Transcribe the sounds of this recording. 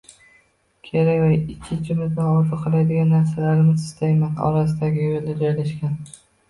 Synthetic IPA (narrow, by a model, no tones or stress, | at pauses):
kʲʰe̞ɾakʲvaɪt͡ʃʲʰːɪnt͡ʃʰɪmɪzd̪anɒɾt̪ɨqʰɨlˠajd̪ɪɡʲanːaɾsalaɾɪmɪzɪ̥st̪ajmat̪ɒ̰ɾas̬ɪd̪aɡʲɪjolnad͡ʒɒjlaʃkʲan